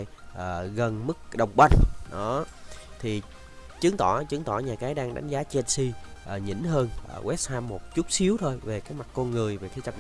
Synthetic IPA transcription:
jʔəː˨˩ɣə˨˩nmɨ˦˥k̚ɗə˨˩wŋ͡mɓa˧jŋ̟ɗɔ˨˦t̪ʰi˨˩ | t͡ɕɨ˨˦ŋt̪ɔ˧˩t͡ɕɨ˨˦ŋt̪ɔ˧˩ɲaː˨˩kaː˨˦jɗaː˧ŋɗa̰˨˦jŋ̟zaː˨˦t͡ɕɛ˧nsi˧ʔə˨˩ɲḭ˧˥nhəː˧nʔːwʔɛ˦˥t̚haː˧mːo˨˩t̚t͡ɕu˦˥t̚si˨˦əwt̪ʰo˧jve˨˩kaː˨˦jma˨˩t̚kɔ˧nŋɨ˨˩əjve˨˩t̪ʰi˧˦t͡ɕə˨˩˨

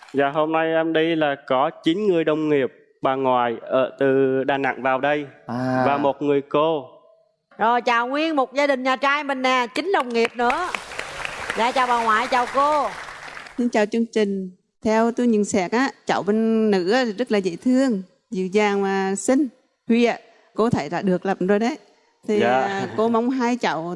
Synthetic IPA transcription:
zaː˨˩ɦo˧mna˧jʔɛ˧mɗi˧laː˨˩kɔ˨˦t͡ɕi˨˦nŋɨ˨˩əjɗə˨˩wŋ͡mŋi˨˩əp̚ | ɓaː˨˩ŋwaː˨˩jʔəː˧˩t̪ɨ˨˩ɗaː˨˩na̰˧˨ŋvaː˨˩wɗə˧jvaː˨˩mo˨˩t̚ŋɨ˨˩əjko˧ | zo˨˩jt͡ɕaː˨˩wŋwi˧ənmo˨˩t̚zaː˧ɗï˨˩ŋ̟ɲaː˨˩t͡ɕaː˧jɓə˨˩ŋ̟ːaː˨˩t͡ɕï˨˦ŋ̟ɗə˨˩wŋ͡mŋi˨˩əp̚nɨ̰˧˥ə | za̰ː˧˩t͡ɕaː˨˩wɓaː˨˩wŋwa̰ː˧˨jt͡ɕaː˨˩wko˧ | si˧nt͡ɕaː˨˩wt͡ɕɨ˧əŋt͡ɕï˨˩ŋ̟ | t̪ʰɛ˧wt̪u˧jɲɨ˨˩nsɛ˧˥k̚ʔaː˨˧˦t͡ɕə̰˧˨wɓe˧nːɨ̰˧˥aː˨˦˨zə˦˥t̚laː˨˩zḛ˧˨t̪ʰɨ˧əŋ | zɨ̰˧˨zaː˨˩ŋmaː˨˩sï˧ŋ̟ | hwi˧aː˧˨˦ | ko˧˦t̪ʰe˧˩za̰ː˧˥ɗɨ˨˩ək̚lə˨˩p̚zo˧jɗə˨˦j | t̪ʰi˨˩ko˧ma˧˦wŋ͡mɦaː˧jt͡ɕə̰˧˨w

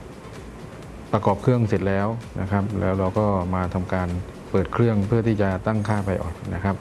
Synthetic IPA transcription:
pɾa˧kɔː˨˩p̚kʰɯ˥˩əŋse˨˩t̪̚lɛː˦˥wnʔa̰˦˥kʰa˦˥p̚lɛː˦˥wɾa˧wkɔː˥˩maː˧t̪ʰa˧mkaː˧n | pɤː˨˩t̪̚kʰɾɯ˥˩əŋpʰɯ˥˩t̪ʰiː˥˩t͡ɕa˨˩t̪a˥˩ŋkʰaː˥˩pa˧jʔɔ̰ː˨˩k̚na˦˥kʰa˦˥p̚

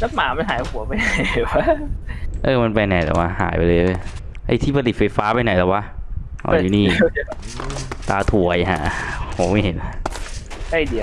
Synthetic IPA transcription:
ta˦˥maː˨˩˦ma˧nɦaː˨˦jhu˨˦ɐpa˧jna˧˩jwa˧˥ʔɤː˧ma˧npa˧jna˨˩jt̪ɛ̰˨˩wa˧˩ha̰ː˩˦jpa˧jlɤː˧jlːj | ha̰˧˩jt̪ʰiː˥˩pʰa˧li˨˩t̪̚fa˧jfaː˦˥pa˧jna˨˩jt̪ɛː˨˩wa˦˥ʔ | hɔ̰˧˨˦juː˨˩˦niː˥˩˨t̪aː˧t̪ʰu˨˩˦ɐja˧˩ɦa̰˧˩pʰo˨˦ma˥˩jɦe˨˦na˦ka˥˩jdi˨˧˩

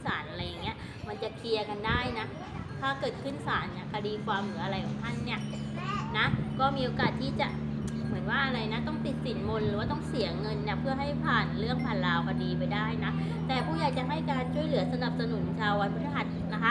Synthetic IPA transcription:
saː˩˦nʔa˧ɾa˧jːa˨˩ŋːi˦˥ɐ | ma˧nt͡ɕa˨˩kʰi˧ɐka˧ndaː˥˩jna˦˥ | t̪ʰaː˥˩kɤː˨˩t̪̚kʰɯ˥˩nsaː˩˦nni˥˩kʰa˧diː˧kʰwaː˧mlɯ˩˦ʔa˧ɾa˧jkʰɔ˨˩˦ŋt̪ʰa˥˩nːi˥˩ɐna˦˥kɔː˥˩miː˧ʔo˧kaː˨˩t̪ʰːiː˥˩t͡ɕa˨˩mɯ˩˦ənwaː˥˩ʔa˧ɾa˧jna˦˥t̪ɔ˥˩ŋt̪i˨˩t̪̚si˨˩˦nmo˧nlɯː˦waː˥˩t̪̬ɔ˥˩ŋsi˨˩˦ɐŋɤ˧nːi˥˩pʰɯ˥˩ɐɦa˥˩jpʰaː˨˩nlɯ˥˩əŋpʰaː˨˩nlaː˧wkʰa˧diː˧pa˧jdaː˥˩jna˦˥ | t̪ɛː˨˩pʰuː˥˩jaː˨˩k̚t͡ɕa˨˩ɦa˥˩jkaː˧nt͡ɕʰu˥˩əjlɯ˩˦ɐsa˧na˨˩p̚sa˧nu˩˦nt͡ɕʰaː˧wa˧npʰa˦˥a˧˩ɦa˨˩t̪̚na˦˥kʰa˦˥

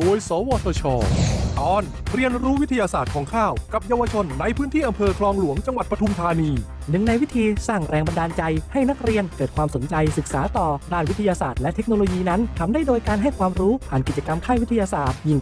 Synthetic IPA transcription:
oː˧əjsɔː˩˦wɔː˧t̪ʰoː˧t͡ɕʰɔː˧t̪ɔː˧˩n | ɾi˧ənɾuː˦˥wi˦˥t̪ʰːa˧jaː˧saː˨˩t̪̚kʰɔː˩˦ŋkʰaː˥˩wka˨˩p̚jaː˧wa˧t͡ɕʰo˧nːa˧jpʰɯː˦˥nt̪ʰiː˥˩ʔa˧mpʰɤː˧kʰlɔː˧ŋlu˨˩˦əŋt͡ɕa˧ŋwa˨˩t̪̚pɾa˧t̪ʰu˧mt̪ʰaː˧niː˧ | nɯ˨˩ŋna˧jwi˦˥t̪ʰiː˧saː˥˩ŋɾɛː˧ŋba˧ndaː˧nt͡ɕa˧jha˥˩jna˦˥k̚ɾi˧ənkɤː˨˩t̪̚kʰwaː˧mso˩˦nt͡ɕa˧jsɯ˨˩k̚saː˩˦t̪ɔː˨˩daː˥˩nwi˦˥t̪ʰa˧jaː˧saː˨˩t̪̚lɛ˦˥t̪ʰe˦˥k̚noː˧loː˧jiː˧na˦˥nt̪ʰa˧mdaː˥˩jdoː˧jkaː˧nɦa˥˩jkʰwaː˧mɾuː˦˥pʰaː˨˩nki˨˩t͡ɕa˧ka˧mk̪ʰaː˥˩wt̪ʰːa˧jaː˧saː˨˩t̪̚ji˧˩ŋ

